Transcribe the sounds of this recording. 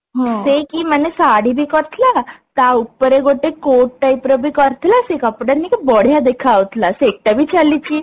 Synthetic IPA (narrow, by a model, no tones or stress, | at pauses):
ɦõsekiːmənesaɽibʱiːkəɾt̪ʰlat̪aupːɾeɡoʈekoʈʈaipɾəbʱiːkəɾt̪ʰlasekapɽənikabɔɽ̤jad̪ekʰaʋət̪laseek̚ʈ̪abʱiːt͡ɕalːit͡ɕiː